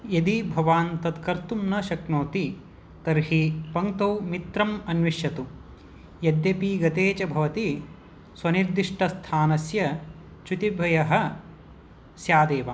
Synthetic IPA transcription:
jɐd̪ibʱɐʋaːnt̪ɐd̪kɐɾt̪umnɐʃɐknoːt̪i | t̪ɐɾɦipɐŋt̪ɐwmit̪ɾɐmɐnʋiʃjɐt̪u | jɐd̪jɐpiɡɐt̪eːt͡ʃɐbʱɐʋɐt̪i | swɐniɾd̪iʂʈɐst̪ʰaːnɐsjɐ | t͡ʃut̪ibʱɐjɐɦɐ̆ | sjaːd̪eːʋa

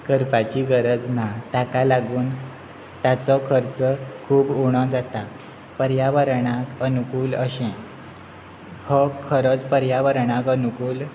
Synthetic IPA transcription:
kəɾpat͡ɕiːɡəɾəd͡znat̪akalaɡuːn | t̪jat͡sɔkʰəɾt͡səkʰuːbuɽ̃ɔ̃d͡zat̪a | pəɾjaʋəɾɳakənukuːləɕɛ̃ | hɔkʰəɾət͡spəɾjaʋəɾɳãkənukuːl

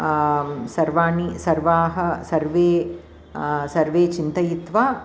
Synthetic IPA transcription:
sɐɾʋaːɳisɐɾʋaːɦɐsɐɾʋeː | sɐɾʋeːt͡ʃint̪ɐjit̪ʋaː

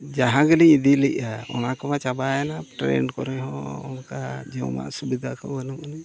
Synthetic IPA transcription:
d͡ʒaɦãɡəliɲid̪ilɛc̚aɔ̰nakamat͡ʃabajanaʈɾɛ̰nɖkɔɾɛɦɔ̰̃ɔnkad͡ʒɛwma̰ʔsubid̪ʱakɔ̰bənəmanɛ

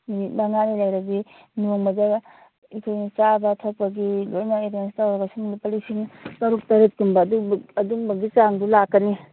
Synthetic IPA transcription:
minit̚maŋanilajɾɐɡi | noŋbɐda | ikʰojnit͡ʃabɐtʰɐk̚pɐɡilojnaedenstawɾabɐsumunipɐlisiŋkɐɾuk̚tɐɾet̚kimbaduɐduŋbɐɡit͡ʃaŋdulakːɐni

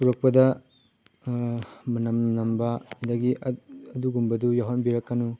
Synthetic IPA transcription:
puɾɐk̚pɐdɐ | mɐnɐmnɐmbɐɐdɐɡiʔɐduɡumbɐdujaɦɐnbiɾɐkːɐnu

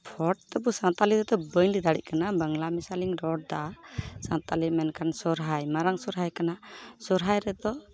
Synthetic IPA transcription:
pʰɔʈ̚t̪ɛbusãnt̪aliɾɛd̪ɔbəɲlid̪aɽḭc̚kanabəŋlamisaliŋɾɔɽ̚d̪asãnt̪alimɛnkʰansɔɾɦajmaɾaŋsɔɾɦajkanasɔɾɦajɾɛd̪ɔ

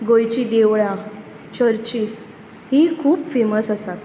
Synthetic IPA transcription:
ɡojt͡ɕiːd̪eʋɭã | t͡ɕəɾt͡ɕiːs | hikʰuːpfeməsəsat̪

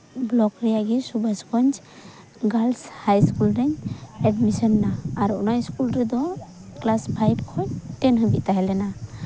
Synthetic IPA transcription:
blɔkɾɛjaɡisubaskɔɲd͡ʒ | ɡalshajskulɾɛɲɛɖmisɔnːaːɾunajskulɾɛd̪ɔklaspʰajbkʰɔɲʈɛnɦəbit̪aɦɛlɛna

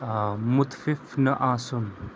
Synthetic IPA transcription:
mʊt̪fɪfnɐʔaːsun

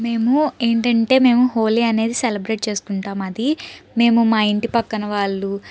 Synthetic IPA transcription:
me̞ːmue̞ːɳʈɐɳʈe̞ːme̞ːmuɦo̞ːliːɐne̞ːd̪iselɐbɾe̞ːʈ̚t͡ʃe̞ːsu̥kuɳʈaːmɐd̪ime̞ːmumaːiɳʈipɐkːɐnɐʋaːɭːu

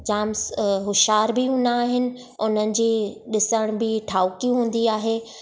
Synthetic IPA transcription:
d͡ʑaːmsɦʊʃaːɾbɪɦũːnd̪aːɦɪnɪ̆ | ʊnənɪ̆d͡ʑiːɗɪsəɽ̃bɪʈʰaːʊkiũɦũːn̆d̪iaːɦeː

